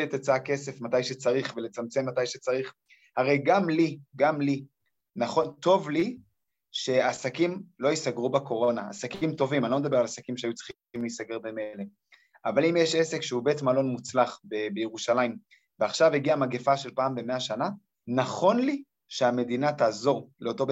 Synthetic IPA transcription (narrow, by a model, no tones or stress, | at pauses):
et̪at͡saake̞se̞fmatajʃet͡saʁiχvele̞t͡samt͡se̞mːatajʃet͡saʁiχ | haʁejɡamliɡamli | naχo̞nt̪o̞vli | ʃe̞asakimlo̞isaɡʁubako̞ʁo̞naa̰sakimt̪o̞vimanlo̞med̪abe̞ʁalasakimʃeajut͡sχ | imleisaɡe̞ʁbemele | avalimjeʃese̞kʃeubetmalo̞nmut͡slaχbebejeʁuʃalaim | veaχʃaveɡiamaɡe̞faʃe̞lpaːmbe̞me̞aʃana | naχo̞nli | ʃeame̞d̪inataːzo̞ʁleo̞to̞be